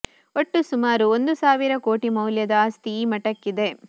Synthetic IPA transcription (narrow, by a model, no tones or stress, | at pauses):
oʈːusumaːɾuond̪usaːʋiɾɐko̞ːʈimɐwljɐd̪ɐast̪iːmɐʈɐkːid̪e̞